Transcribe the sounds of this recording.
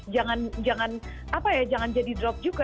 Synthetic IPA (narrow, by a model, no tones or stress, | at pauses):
d͡ʒaŋand͡ʒaŋan | apajad͡ʒaŋand͡ʒadidɾɔp̚d͡ʒuɡa